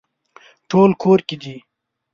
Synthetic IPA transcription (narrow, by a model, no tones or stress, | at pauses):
ʈʰoːlkʰoːɾkid̪iː